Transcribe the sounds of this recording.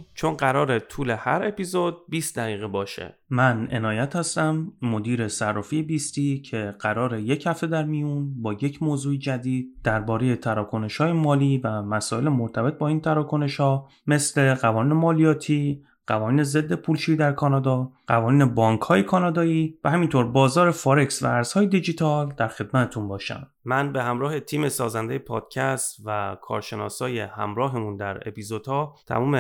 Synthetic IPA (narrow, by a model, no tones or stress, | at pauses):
t͡ʃʰonɢæɾɒːɾet̪ʰuːlehæ̰ɾepʰizod̪̚biːst̪d̪æɣiːɣebɒːʃḛmæne̞̰nɒːjæt̪ʰhæst̪æmːod̪iːɾe̞særːɒfijebist̪iːcʰe̞ɢ̥æɾɒːɾe̞je̞chæft̪e̞d̪æɾmijunbɒːje̞cʰmoːzuːed͡ʒæd̪iːd̪̚d̪̥æɾbɒːɾe̞je̞t̪ʰæɾɒːkʰo̞ne̞ʃhɒːjemɒːliːvæmæsɒːje̞lemoɾt̪ʰæbe̞t̪̚bɒːiːnt̪ʰæɾɒːkʰo̞ne̞ʃhɒː | me̞sle̞ɢævɒːniːne̞mɒːlijɒːt̪ʰiː | ɢ̥ævɒːniːneze̞d̪ːe̞pʰuːlʃiːid̪æɾkʰɒːnɒːd̪ɒːɢævɒːniːne̞bɒːŋkʰhɒːje̞kʰɒːnɒːd̪ɒːiːvæhæmint̪ʰoɾbɒːzɒːɾe̞fɒːɾe̞ksvæ̰æɾz̥hɒːje̞d̪id͡ʒit̪ʰɒld̪æɾxe̞d̪̚mæt̪ʰe̥t̪ʰunbɒːʃæ̰m | mænbe̞hæmɾɒːhe̞t̪ʰiːmesɒːzænd̪ejepʰɒ̰ːd̪̥cʰæst̪vækʰɒ̰ːɾʃe̞nɒ̰ːsɒːjehæ̰mɾɒːɦemund̪æɾḛpizod̪̥hɒːt̪ʰæ̰muːme